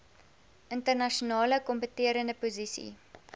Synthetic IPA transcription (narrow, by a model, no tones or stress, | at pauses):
ʔəntərnɐʃunɑːləkɔmpətiəɾəndəpuzisḭ